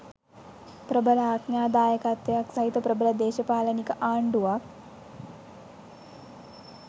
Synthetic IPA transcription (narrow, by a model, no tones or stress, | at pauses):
pɾɐbɐlaːknjaːd̪aːjɐkat̪ːɐjɐksɐɦit̪ɐpɾɐbɐlɐd̪eːʃɐpaːlɐnikɐʔaːɳɖuʋak